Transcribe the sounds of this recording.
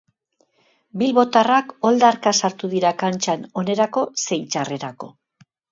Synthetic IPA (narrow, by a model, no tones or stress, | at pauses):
bilβo̞t̪arako̞ld̪aɾkasaɾt̪uðiɾakant͡ʃano̞ne̞ɾako̞se̞jt͡ʃare̞ɾako̞̰